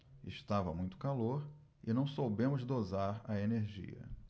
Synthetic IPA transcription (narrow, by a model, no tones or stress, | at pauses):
ɪ̰ʃt̪avɐmũj̃t̪ʊ̥kaloɾ | ɪnɐ̃w̃sowbẽmʊzd̪ozaɾɐeneɾʒḭɐ̰